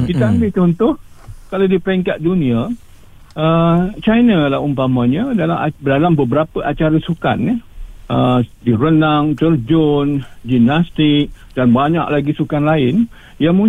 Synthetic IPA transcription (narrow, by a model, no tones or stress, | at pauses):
kit̪aambɪt͡ʃɔnt̪ʊhkaladipəɾɛŋkat̪̚dunĩa | ət͡ʃajnalahumpamãɲədaladalambəbəɾapəʔat͡ʃaɾasuka̰nːaədiɾənaŋt͡ʃərd͡ʒɔnd͡ʒimnast̪ɪk̚ | danbaɲa̰ʔlaɡisukanlaɪn | jaŋmũ